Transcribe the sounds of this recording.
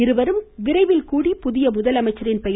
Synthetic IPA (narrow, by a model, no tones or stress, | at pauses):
ɪɾɯʋɐɾɯmʋɪɾɐɪʋɪlkuːɽipʊðɪjɐmʊðɐlɐmɐɪt͡ʃːɐɾɪnpɛj